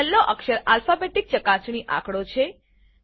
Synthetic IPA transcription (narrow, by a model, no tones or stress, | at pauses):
lːoʔəkʃəɾalfabeʈik̚t͡ʃəkat͡ʃɳ̃iʔã̰kɽot͡ʃʰe